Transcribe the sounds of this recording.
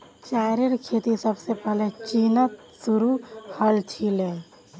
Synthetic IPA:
t͡ʃaːɾeɾkʰeːt̪isəbsepɛɦlet͡ʃiːnət̪ | suɾuhəlt͡ʃʰile

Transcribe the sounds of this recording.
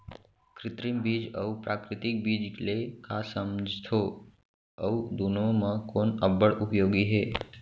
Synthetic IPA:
kɾɪt̪ɾimbid͡ʒə̰upɾakɾɪt̪ik̚bid͡ʒlekasəmd͡ʒt̪ʰo | əud̪unomãkonəbəɭʔupjoɡiɦe

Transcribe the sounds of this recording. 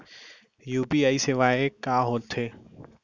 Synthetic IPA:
juːpiaːiseʋaːekaːɦoːt̪ʰːeː

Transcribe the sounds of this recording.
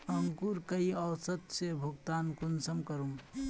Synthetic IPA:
əŋkuɾkəiəwsət̪sebʱuɡt̪ankunsəmkəɾum

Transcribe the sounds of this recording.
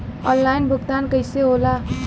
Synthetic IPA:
ɔnlajnbʱuɡt̪ankəjseɦola

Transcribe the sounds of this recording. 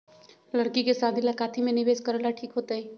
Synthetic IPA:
ləɽkikesaːb̪ʱilakaːt̪ʰimẽnɪbeːskəɾəlaʈʰiːkɦoːt̪aɦi

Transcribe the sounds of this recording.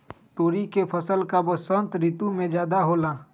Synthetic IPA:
t̪oːɾikepʰəsəlkabosə̃nt̪ɾit̪umẽd͡ʒjaːd̪aɦoːlaː

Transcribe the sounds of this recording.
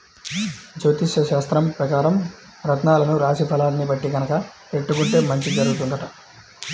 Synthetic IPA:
d͡ʒoːt̪iʃɐʃaːst̪ɾɐmpɾɐkaːɾɐm | ɾɐt̪naːlɐnuɾaːʃipʰɐlaːnːibɐʈːiɡɐnɐkɐ | eʈːukuɳʈe̞ːmɐɲt͡ʃid͡ʒɐɾuɡut̪und̪ɐʈɐ

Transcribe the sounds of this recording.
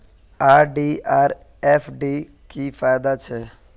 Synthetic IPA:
aːɾɖiːaːɾ | ɛːfɖiː | kiːfaːjd̪at͡ʃʰɛː

